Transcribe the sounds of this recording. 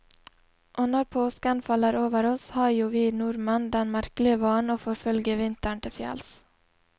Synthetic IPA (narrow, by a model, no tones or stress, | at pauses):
ʔoːnɔɾpʰoːskanfɑlːəɾoːʋəɾɔshɑːɾjuːʋiːnuːɾmɑnd̪ɛnmæɾklɪəʋɑːnoːfoːɾfœlɡəʋɪnt̪əɳʈ̪ɪfjɛ̰ls